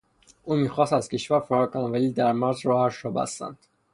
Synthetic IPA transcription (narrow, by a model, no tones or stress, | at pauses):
ʔuːmiːxɒːst̪æz̥cʲʰe̞ʃvæɾfaɾɒːkʰonænvæliːd̪æɾmæɾzɾɒːhæʃɾɒbæ̰st̪æ̰nd̪̥